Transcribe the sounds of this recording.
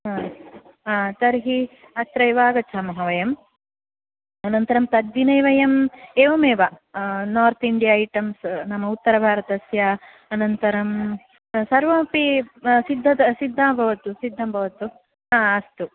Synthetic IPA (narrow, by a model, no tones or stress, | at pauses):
ɦãː | at̪ɐɾɦi | ɐt̪ɾɐjʋaːɡɐt͡ʃʰaːmɐɦɐʋɐjɐm | ɐnɐnt̪ɐɾɐmt̪ɐd̪ʋinɐjʋɐjɐmeːʋɐmeːʋɐnaːɾt̪ʰiɳɖijaːɐjʈɐmsnɐmːɐut̪ːɐɾɐbʱaːɾɐt̪ɐsjɐː | nɐnt̪ɐɾɐm | sɐɾʋɐːpisid̪ʱːɐt̪ɐsid̪ʱːaːbʱɐʋɐt̪usid̪ʱːambʱɐʋɐt̪u | ɦaːɐst̪u